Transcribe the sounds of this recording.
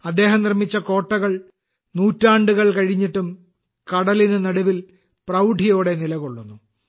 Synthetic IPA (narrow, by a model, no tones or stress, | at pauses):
ɐd̪ːe̞ːɦɐmnirmit͡ɕːɐko̞ːʈːɐɣɐɭ | nuːtːaːɳɖuɣɐɭkɐɻiɲːiʈːum | kɐɽɐlinɨnɐɽuʋil | prɐwɖʱijo̞ːɽe̞nilɐɣoɭːunːu